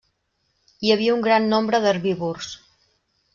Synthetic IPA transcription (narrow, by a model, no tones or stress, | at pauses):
iəβ̞iəuŋɡɾanːombɾəðərβiβurs